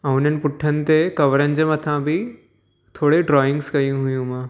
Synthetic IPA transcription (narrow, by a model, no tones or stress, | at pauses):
ãʊn̤ənɪ̆pʊʈʰːənɪ̆t̪ekɐʋəɾənɪ̆d͡ʑəmɐt̪ʰãbʱɪ | t̪ʰoːɽeɖɾɔːɪ̃ŋɡskɐjũɦʊjũmãː